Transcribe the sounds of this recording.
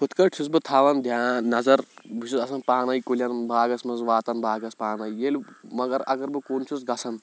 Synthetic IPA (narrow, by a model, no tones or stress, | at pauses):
kʰut̪kɐʈʰus̬bɨt̪ʰaːʋɐnd̪ʱjaːnɐzɐɾbut͡ʃʰuzɐsɐnpaːnɐjkulʲjɐnbaːɡɐsmɐnzʋaːt̪ɐnbʱaːɡɐspaːnɐjjelʲmɐɡɐɾɐ̰ɡɐɾbɨkoːnt͡ʃʰusɡɐsʰɐn